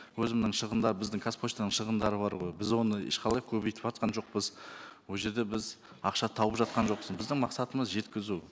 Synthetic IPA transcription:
wɵzɪmnɪŋʃəʁənd̪ɑɾəbɪzd̪ɪŋkʰaspʰost̪ɑnəɴʃəʁənd̪ɑɾəbɑɾʁo̞jbɪzwo̞nəɪ̰ʃqʰɑlˠɑjkʲʰɵbejt̪ɪpɑt̪̚qɑnʒo̞q̚pəzwolˠʒe̞ɾd̪e̞bɪz | ɑqʃɑt̪ʰɑwəpʒɑt̪̚qɑnʒo̞qsənbɪzd̪ɪŋmɑqsɑt̪əməzʒe̞t̪kʲɪzu

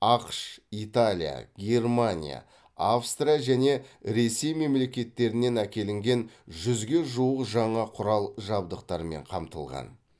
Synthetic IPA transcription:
ɑqʃit̪alʲija̰ɡʲe̞rmanʲḭja̰ | afst̪rijaʒæne̞ɾe̞se̞jme̞mle̞kʲe̞t̪ːe̞ɾɪne̞nækʲe̞lɪŋɡʲe̞nʒʏzɡʲe̞ʒuwəqʒɑɴɑqʰʊɾɑlˠʒɑbd̪əqt̪ɑɾəme̞̰ɴqʰɑmt̪əlˠʁɑ̰n

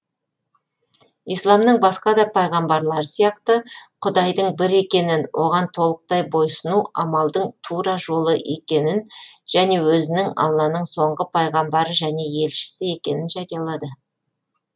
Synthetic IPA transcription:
ijslˠɑmd̪əɴbɑsqɑd̪ɑpʰɑjʁɑmbɑɾlˠɑɾəsijɑq̚t̪əqʰʊd̪ɑjd̪əɴbɪɾe̞kʲe̞nɪnwʔo̞ʁɑnt̪ʰo̞lˠəq̚t̪ɑjbo̞jsənuɑmɑlˠd̪əɴt̪ʰuɾɑʒo̞lˠəʔe̞kʲe̞nɪnʒ̥æne̞wɵzɪnɪŋɑ̰lˠːɑnəɴso̞ɴʁəpʰɑjʁɑmbɑɾəʒæne̞je̞lʃɪ̥sɪe̞kʲe̞nɪnʒɑɾijɑlˠɑd̪ə

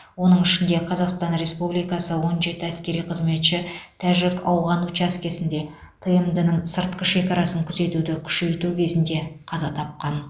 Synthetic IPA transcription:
wo̞nəɴɪʃɪnd̪e̞qʰɑzɑqst̪ɑnɾe̞spublijkɑsəwo̞nʒe̞t̪ɪæskʲe̞ɾijqʰəzme̞t̪ʃɪt̪ʰæʒɪkɑwʁɑnut͡ʃæskʲe̞sɪnd̪e̞ | t̪ʰəjəmd̪ənəɴsəɾt̪̚qəʃe̞kʲɑɾɑsəŋkʲʰʏze̞t̪ud̪ɪkʲʰʏ̥ʃe̞jt̪ukʲʰe̞zɪnd̪e̞qʰɑzɑt̪ʰɑp̚qɑn

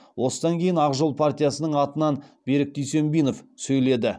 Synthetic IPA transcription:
wʔo̞səd̪ɑŋkʲʰe̞jɪnɑqʒolˠpʰart̪ʲijasənəɴɑt̪ənɑnb̥e̞ɾɪk̚d̪ʏjse̞mbijno̞fsɵjle̞d̪ɪ

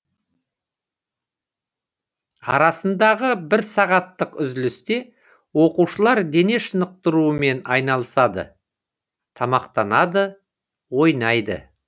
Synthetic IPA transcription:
ɑ̰ɾɑsənd̪ɑʁəbɪɾsɑʁɑt̪ːəqʏzd̪ɪlɪst̪e̞ | wo̞quʃəlˠɑɾd̪e̞ne̞ʃənəq̚t̪əɾuəme̞nɑjnɑlˠəsɑd̪ə̰ | t̪ʰɑmɑqt̪ɑnɑd̪ə | wo̞jnɑjd̪ə̰

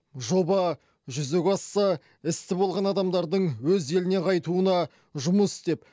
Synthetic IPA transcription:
ʒo̞bɑ | ʒʏzekʲɑsːɑ | ɪst̪ɪbo̞lˠʁɑnɑd̪ɑmd̪ɑɾd̪əɴwɵze̞lɪne̞qʰɑjt̪uənɑ | ʒʊməst̪e̞p

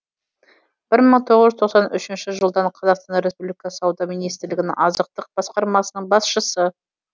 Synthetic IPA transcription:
b̥ɪɾməɴt̪ʰo̞ʁəzʒʏzt̪ʰo̞qsɑnʔʏ̰ʃɪnʃɪʒəlˠd̪ɑɴqʰɑzɑqst̪ɑnɾe̞spublikɑsɑwd̪ɑminijst̪ɪɾlɪɡʲɪnɪ̰ŋɑzəq̚t̪əq̚b̥ɑsqɑɾmɑsənəɴbɑsʃəsə

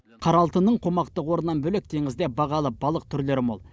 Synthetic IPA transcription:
qʰɑɾɑlˠt̪ənːəɴqʰo̞mɑqt̪əqwo̞ɾənːɑnbɵlek̚t̪ʰeŋɪzd̪ebɑʁɑlˠəbɑlˠəq̚t̪ʰʏɾle̞ɾɪmo̰lˠ

